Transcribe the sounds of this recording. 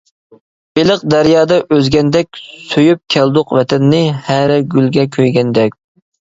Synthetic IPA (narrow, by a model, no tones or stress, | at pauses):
belɨq̚d̪æɾjɑːd̪ɑʔøzɡʲɛnd̪ɛkʲsøjyp̚kʲʰɛld̪ʊqvɛt̪ʰɛnːɪhæɾɛɡʲylɡʲɛkʲʰøjɡʲɛnd̪ɛkʲ